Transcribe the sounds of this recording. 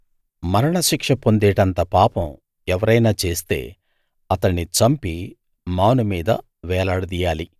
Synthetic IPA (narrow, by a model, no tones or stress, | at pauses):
mɐɾɐɳɐʃikʂɐpo̞nd̪ɛːʈɐnt̪ɐpaːpɐm | ɛʋɐɾɐjnaːt͡ʃe̞ːst̪e̞̰ː | ɐt̪ɐɳːit͡ʃɐmpi | maːnumiːd̪ɐ̰ | ʋɛːlaːɽɐd̪ijaːli